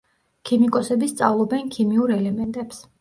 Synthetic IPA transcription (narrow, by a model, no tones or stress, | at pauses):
kʰimikʼɔsɛbist̪sʼavlˠɔbɛnkʰimiuɾɛlɛmɛnt̪ʼɛps